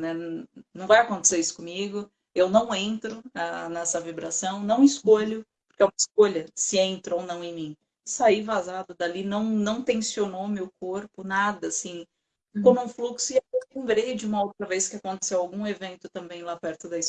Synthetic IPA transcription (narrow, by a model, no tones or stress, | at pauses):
nɛnɐ̃w̃vajakõnt̪e̥seɾisʊ̥kõmiɡʊ | ewnɐ̃w̃ẽnt̪ɾʊanɛsɐvibɾasɐ̃w̃nɐ̃w̃ɪskoʎʊppoɾkeaskoʎɐsɪẽnt̪ɾʊownɐ̃w̃ẽj̃mĩ | saivazad̪ʊd̪alinɐ̃w̃nɐ̃w̃t̪ẽsionowmewkoɾpʊnad̪ɐasĩ | fikonũfluksʊɪelẽmbɾejd͡ʒɪũmɐowt̪ɾɐveskɪakõnt̪e̥sewawɡũevẽnt̪ʊt̪ɐ̃mbẽj̃lapɛɾt̪ʊd̪ɐis